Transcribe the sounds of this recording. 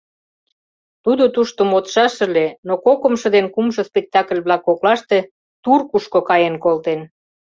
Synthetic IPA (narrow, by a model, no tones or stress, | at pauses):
t̪ud̪ot̪uʃt̪omot̪ʃɑʃə̆lenokokə̆mʃɤ̆d̪enkumʃŏspek̚t̪ɑkəlʲβlɑkːoklɑʃt̪e | t̪urkuʃkokɑjenkolt̪en